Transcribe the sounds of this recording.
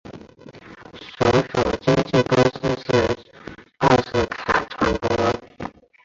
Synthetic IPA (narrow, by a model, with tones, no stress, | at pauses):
ʂo˧˥ʊʂo˨˩ʊt͡ɕi˥ŋt͡ɕi˥˩ko˥s̩˥ʂɻ̩˥˩ | a˥˩ʂɻ̩˧˥kʰa̰˨˩ʈ͡ʂʰwa˧˥npwɔ˧˥˧